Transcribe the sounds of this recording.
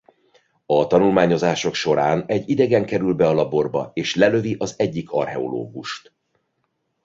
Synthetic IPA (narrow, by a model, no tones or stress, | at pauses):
ɒt̪ɒnulmaːɲo̞zaːʃo̞kʃo̞ɾaːnɛɟːid̪ɛɡɛŋkɛɾylbɛɒlɒbo̞rbɒ̰eːʃlɛlø̞viʔɒzɛɟːikʰɒ̰rɦɛ̰o̰lo̰ːɡuʃt̪